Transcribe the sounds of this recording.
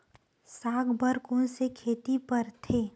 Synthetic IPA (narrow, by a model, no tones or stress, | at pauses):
saːɡbəɾkõːnsekʰeːt̪ipəɾt̪ʰeː